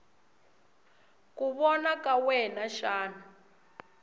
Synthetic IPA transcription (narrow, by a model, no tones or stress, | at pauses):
kuβɔnakawɛnaʃaːnu